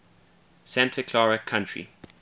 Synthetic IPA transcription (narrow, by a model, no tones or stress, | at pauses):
sæ̃ntʰəkʰl̥aɹəkʰãntɹḭ